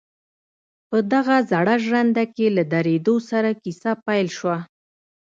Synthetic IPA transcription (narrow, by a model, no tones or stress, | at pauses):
pəd̪aɣazaɽaʒand̪akelad̪aɾed̪osaɾakisapajlʃwa